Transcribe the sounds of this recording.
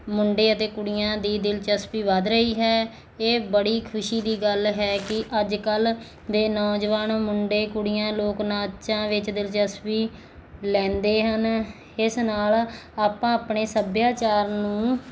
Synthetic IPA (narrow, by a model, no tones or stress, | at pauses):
mʊɳɖeːət̪eːkʊɽɪjãːd̪iːd̪ɪlt͡ʃəspiːʋəd̪ɾəiːɦɛː | eːbəɽiːkʰʊʃiːd̪iːɡəlɦɛːkɪʔəd͡ʒkəl | d̪eːnɔːd͡ʒʋaːnmʊɳɖeːkʊɽɪjãːloːknaːt͡ʃãːʋɪt͡ʃd̪ɪlt͡ʃəspiː | lɛ̃ːnd̪eːɦən | ɪsnaːlaːpãːəːpneːsəbjaːt͡ʃaːɾnũː